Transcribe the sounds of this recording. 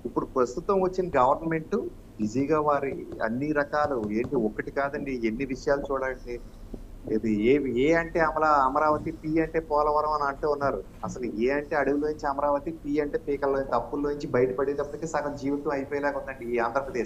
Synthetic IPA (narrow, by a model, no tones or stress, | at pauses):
ipːuɽupɾɐst̪ut̪ɐmʋɐt͡ʃːinɐɡɐʋɐɾnɐme̞ɳʈu | ʋid͡ʒiːɡaːʋaːɾiɐ̰nːiɾɐkaːlueːɳʈiɔkːɐʈikaːd̪ɐɳɖienːiʋiʂɐjaːlut͡ʃuːɽaːɐɳɖi | leːd̪ieːeːɐɳʈe̞ːɐmɐɾaɐmɐɾaːʋɐt̪ipiːɐɳʈe̞ːpɔːlɐʋɐɾɐmɐnɐɳʈuunːaːɾu | ɐsɐlueːɐɳʈe̞ːɐɽuɡuloːiɲt͡ʃiɐmɐɾaːʋɐt̪ipiːɐɳʈeːpiːkɐlːoːjnt̪ɐpːulːoːiɲt͡ʃibɐjʈɐpɐɽend̪ɐpːɐt̪ikiːsɐkɐmd͡ʒiːʋit̪ɐmɐjipɔːjɐlɛːkɐɔnd̪ɐɳɖiːaːnd̪ʱɾɐpɾɐd̪eːʃ